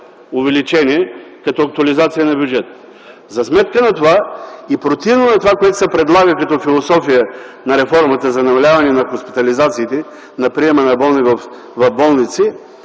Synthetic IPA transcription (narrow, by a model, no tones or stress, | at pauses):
ʊvɛlit͡ʃɛniɛkɐt̪ɔɐk̚t̪uɐlizat̪sijənɐbjud͡ʒɛt̪ə | zɐsmɛt̪̚kənɐt̪ovaipɾot̪ivnonɐt̪ovakoɛt̪ʊ̥sɛpɾɛd̪lˠaɡəkɐt̪ɔfilˠosɔfijənɐɾɛfɔɾmɐt̪əzɐnɐmɐlʲavɐnɛnɐxospi̥t̪ɐlizat̪siːt̪ɛ | nɐpɾiɛmənɐbɔlˠnivɐf | vɐvbɔlˠnit̪si